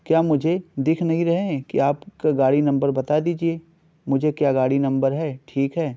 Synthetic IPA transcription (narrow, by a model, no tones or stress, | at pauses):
kjaːmʊd͡ʒʱed̪ɪkʰnɐɦĩɾɐɦẽkḭaːpkeɡaːɽinɐ̃mbəɾbɐt̪ad̪iːd͡ʒieː | mʊd͡ʒʱekjaːɡaːɽinɐ̃mbəɾɦɛːʈʰiːkɦɛː